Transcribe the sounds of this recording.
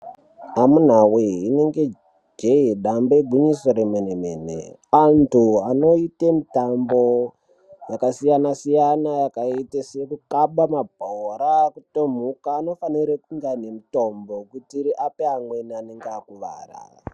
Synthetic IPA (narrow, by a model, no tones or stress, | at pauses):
amun̤aweine̞ŋɡe̞ | d͡ʒeiɗamboeɡʱuɲisoɾemenemeːnḛantʰuano̞itemitambo | jakasijanasijanajakaitesekukaɓamabʱoɾakutom̤ukaːno̞faniɾekuŋɡanemito̞mbo̞kutiɾiʔapeaŋweneaneŋɡakuʋa̰ːra̰